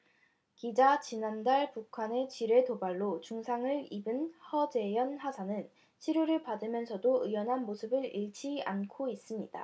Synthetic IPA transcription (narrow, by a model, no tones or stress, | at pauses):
kid͡ʑat͡ɕinandaɭpukʰane̞t͡ɕiɾe̞tobaɭːot͡ɕuŋsʰaŋɯɭibɯnhʌd͡ʑe̞jʌnhasʰanɯn | ɕʰiɾjoɾɯɭpadɯmjʌnsʰʌdoɯjʌnɦanmosʰɯbɯɾiɭt͡ɕʰia̰nkʰois͈ɯmɲid̥a̰